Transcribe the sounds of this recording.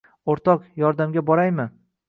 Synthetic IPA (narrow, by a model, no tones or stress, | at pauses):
oɾt̪ʰɒqjɒɾd̪amɡʲabɒɾajmɪ